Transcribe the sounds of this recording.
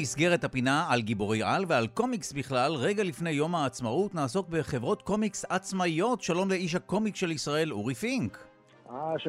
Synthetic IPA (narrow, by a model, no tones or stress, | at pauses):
isɡe̞ʁethapinaalɡibo̞ʁejʔalvealko̞miksbiχlalʁe̞ɡalifne̞jːo̞maːt͡smautnaːso̞k̚be̞χe̞vʁo̞tko̞miksat͡smaijo̞tʃalo̞mle̞iʃ̬hako̞miksʃe̞lisʁae̞luʁifiŋk | a